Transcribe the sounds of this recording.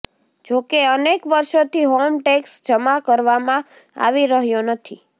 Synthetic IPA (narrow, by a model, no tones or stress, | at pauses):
d͡ʒokeənekʋəɾʃot̪ʰiɦomʈeksd͡ʒəmakəɾʋamã | a̰ʋiɾəɦjonət̪ʰi